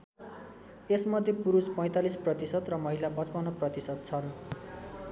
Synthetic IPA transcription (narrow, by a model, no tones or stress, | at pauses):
esmʌd̪ʱːjepuɾuspʌj̃t̪alisprʌt̪isʌt̪rʌmʌɦilabʌt͡spʌnʌprʌt̪isʌt̪̚t͡sʰʌn